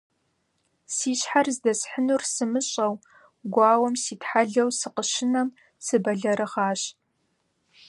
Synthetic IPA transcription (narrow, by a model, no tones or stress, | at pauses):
siːɕħarzdɐsħənursɨmɨɕʼɐw | ɡʷɑːwɐmsiːtħaɮɐwsɨqəʃɪnɐm | sɨbɐɮɐɾʔɨʁɑːɕ